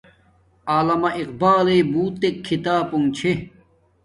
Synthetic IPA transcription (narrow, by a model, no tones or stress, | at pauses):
aːlɐmɐʔiq̚baːleːbuːt̪ːekʰːit̪aːpuŋt͡ɕʰe